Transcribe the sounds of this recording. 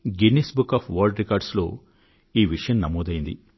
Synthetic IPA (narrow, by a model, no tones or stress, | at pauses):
ɡinesbukːaːpʰʋaːɾɖɾikaːɾɖslo̞ː | iːʋiʂɐjɐmnɐmoːd̪ɐjind̪ḭ